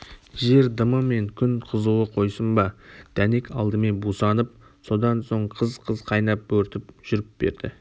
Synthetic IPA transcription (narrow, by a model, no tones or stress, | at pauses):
ʒe̞ɾd̪əməme̞ŋkʲʰʏnqʰəzuəqʰo̞jsəmbɑd̪̥æne̞kɑlˠd̪əme̞nbusɑnəp̚ | so̞d̪ɑnso̞ɴqʰəzqʰəzqʰɑjnɑp̚bɵɾt̪ɪpʒ̥ʏɾɪp̚be̞̰ɾd̪̥ɪ